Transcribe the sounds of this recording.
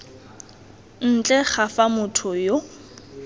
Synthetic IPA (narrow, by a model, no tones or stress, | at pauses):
n̩t͡ɬʼɛχafamʊtʰʊjo